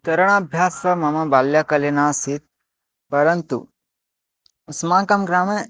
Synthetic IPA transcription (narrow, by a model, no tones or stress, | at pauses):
t̪ɐɾɐɳ̃abʱjaːsʋɐmɐmɐbaljakɐlenaːsit̪̚ | pɐɾɐnt̪ṵ | usmãːkɐmɡɾaːmɐ